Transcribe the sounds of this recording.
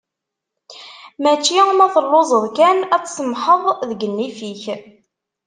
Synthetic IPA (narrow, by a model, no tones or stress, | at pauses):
mæt͡ʃːimæðəlːozˤəðˤkænæt͡sːsəmħəðˤðəɡənːifiç